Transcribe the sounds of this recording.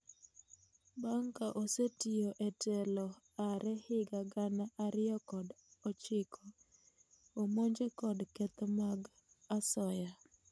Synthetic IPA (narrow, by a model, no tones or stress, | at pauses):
baŋkaʔosetioʔɛtɛlɔ | aɾɛhɪɡaɡanaʔaɾɪjɔkɔd | ɔt͡ʃɪkʰɔ | omoɲd͡ʒekɔdkɛt̪ɔmaɡ | asɔja